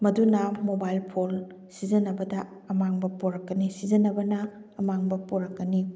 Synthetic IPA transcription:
mɐdunɐmobajlpʰol | sid͡ʒɐnɐbɐdɐ | ɐmaŋbɐpoɾɐkːɐnisid͡ʒɐnɐbɐnɐː | maŋbɐpoɾɐkːɐni

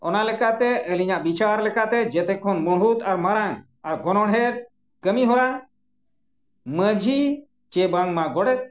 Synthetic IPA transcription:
ɔnalɛkat̪ɛʔəliɲaʔbit͡ʃaɾlɛkat̪ɛd͡ʒɛt̪ɛkʰɔnmɔɽɦut̪aɾmaɾã | aɾɡɔnɔɽɦɛɾ | kəmiɦɔɾa | məd͡ʒʱi | t͡ʃɛbaŋmaɡɔɽɛt̪̚

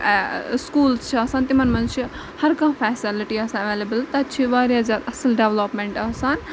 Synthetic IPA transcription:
skuːlst͡ʃʰiɐsaːnt̪imɐnmɐ̃nt͡ʃʰi | hɐɾkãːfʰɛːsɪliʈiɐsãɐʋeːlɐbəlt̪ɐt͡ʃʰiʋaːɾiɦɐzaːɾɐsɐlɖeʋloːpmeɳʈɐsaːn

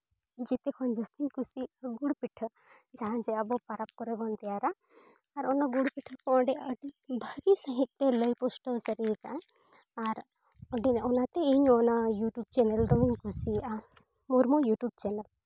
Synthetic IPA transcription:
d͡ʒit̪ekʰɔnd͡ʒəst̪iɲkusiɡuɽpiʈʰə | d͡ʒaɦand͡ʒeabɔpaɾap̚kɔɾebɔnt̪iaɾaː | ɾɔnɔɡuɽpiʈʰɔkɔɔɳɖɛəɖibʱəɡisəɦĩk̪̚t̪eləjpɔsʈɔsəɾikan | aɾ | ɔɖinɔnat̪eiɲɔnajuʈjub̚t͡ʃeneld̪ɔmiɲkusia | muɾmojuʈjub̚t͡ʃenel

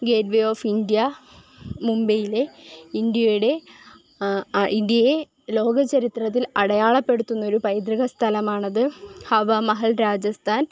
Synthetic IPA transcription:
ɡe̞ːdʋeo̞ːfind̪ijɐ | mumbɐjile̞ind̪jɐjuɽe̞ | ind̪jɐje | lo̞ːɡɐt͡ɕɐɾit̪rɐt̪̬ːilɐɽɐjaːɭɐpːe̞ɽut̪ːunːɐo̞ɾupɐjd̪ɾiɣɐst̪ʰɐlɐmaːɳɐðɨhɐʋɐmɐɦɐlɾaːd͡ʑɐst̪ʰaːn

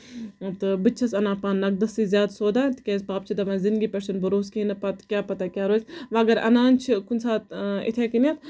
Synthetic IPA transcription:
t̪ɨbɨt͡ʃʰɐsɐnãːpaːnːɐɡ̚d̪ɐsiːzʲjaːd̪soːd̪aːt̪kʲeːsbaːp̚t͡ʃʰid̪ɐʋɐ̃ːzind̪ɡiːpʲeɾʃɐnbɐɾuːskiinɐpɐt̪kʲjaːpɐt̪akʲjaːɾoːsʲʋaːɡɐɾɐ̰naːnt͡ʃʰikunʲsaːt̪ḭt̪ʰeːkinɐt̪

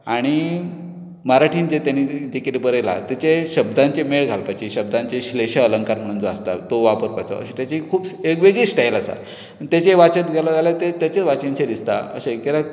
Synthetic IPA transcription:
aɽ̃i | maɾaʈʰiːnd͡ʑet̪janiːd̪ikeʈibəɾela̰t̪jat͡ɕeɕəbd̪ãɲt͡ɕemeɭɡʱalpat͡ɕiɕəb̚d̪ãɲt͡ɕeɕleɕaələŋkaɾm̤əɽ̃ũnd͡zəast̪a̰t̪oʋapəɾpajt͡sɔ̰ə̰ɕat̪jat͡ɕikʰuːbeɡʋeɡisʈajlasa̰ | t̪jat͡ɕeʋat͡ɕət̪ɡʱalad͡zaljat̪et̪jat͡ɕet͡sʋat͡ɕint͡ɕʰed̪ist̪a̰ə̰ɕekkeɾa

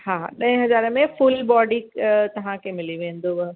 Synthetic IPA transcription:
haːɗɐ̃ɦɛ̃ɦɐzaːɾəmẽfʊlbɔːɖikt̪ɐʋ̤ãkʰeːmɪliʋẽːn̆d̪oʋɐ

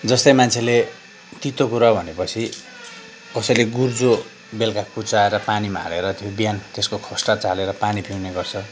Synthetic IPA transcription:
d͡zʌst̪ʌjmant͡sʰele | t̪it̪okuɾʌbʱʌnepʌt͡sʰi | kʌsʌjleɡurd͡zo | belkakut͡saeɾʌpanima̰ɾeɾʌt̪jobjant̪eskokʰʌsʈat͡saleɾʌpanipʰiwneɡʌrt͡sʰʌ

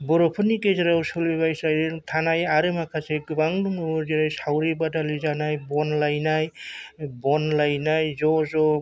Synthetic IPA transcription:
bɔɾɔpʰɯnikeziɾawsulibajsajɾtʰanajaɾɯmakʰaseɡɯbaŋdumɯuɾziɾajsawɾibadalizanajbɔnlajnajbɔnlajnajzɔzɔ

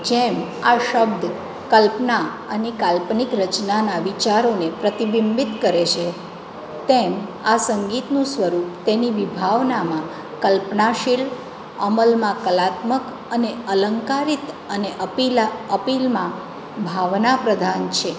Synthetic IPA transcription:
d͡ʒemaʃəb̚d̪ʱ | kəlpna | ənekalpnikɾət͡ʃnanaʋit͡ʃaɾonepɾət̪ibimbit̪kəɾet͡ʃʰe | t̪emasəŋɡit̪nũsʋəɾup̚t̪eniʋibʱaʋnamã | kəlpnaʃil | əməlmãkəlat̪mək | əneələŋkaɾit̪ | əneʔəpiəpilmã | bʱaʋnapɾəd̪ʱant͡ʃʰe

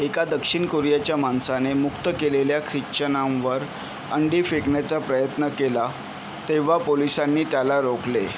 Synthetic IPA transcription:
ekad̪əkʂiɳkoɾjat͡ɕjamansanemukt̪əkeleljakʰɾit͡ɕənamʋəɾ | əɳɖiːfekɳjat͡sapɾəjət̪nəkela | t̪eʋ̤apolisanːiːt̪jalaɾokle

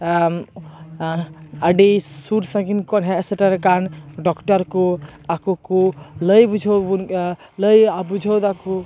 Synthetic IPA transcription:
əɖisuɾsãɡinkɔnɦɛ̃ːsəʈaɾkanɖɔkʈaɾkuakukuləjbud͡ʒʱowbun | ləjabud͡ʒʱɔwd̪aku

